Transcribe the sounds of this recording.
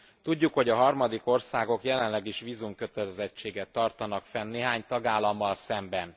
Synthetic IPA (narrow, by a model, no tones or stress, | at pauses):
t̪uɟːukho̞ɟɒɦɒrmɒd̪iko̞rsaːɡo̞kjɛlɛnlɛɡiʃʋiːzumkøt̪ɛlɛzɛt͡ʃːeːɡɛt̪ːɒrt̪ɒnɒkfɛnːeːɦaːɲt̪ɒɡaːlːɒmːɒlsɛmbɛn